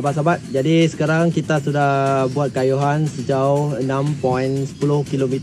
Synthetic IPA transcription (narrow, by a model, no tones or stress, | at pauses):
abat̪̚sabat̪̚d͡ʒadisə̥kaɾaŋkit̪asudahbuat̪̚kajuɦansəd͡ʒauənãmpɔjnsə̥pulʊhkilomit̪